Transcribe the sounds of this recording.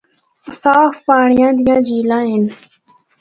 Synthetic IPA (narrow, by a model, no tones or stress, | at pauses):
saːfpaːɳɪjãːd̪ɪjãːd͡ʒiːlãːɦɪn